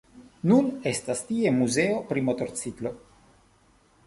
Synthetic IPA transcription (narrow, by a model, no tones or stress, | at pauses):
nune̞stastie̞muze̞o̞pɾimoto̞ɾt͡sitlo̞